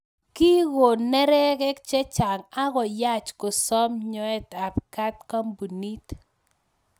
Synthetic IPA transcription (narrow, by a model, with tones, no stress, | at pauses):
ki˦ɣo˨nɛ˦ɾɛ˦kɛ˦kt͡ʃɛ˦t͡ʃa˨ŋa˦ɣɔ˨ja˦t͡ʃko˨sɔ˦mɲɔ˨ɛ˦ta˨pka˦t̚ka˦mbu˨ni˦t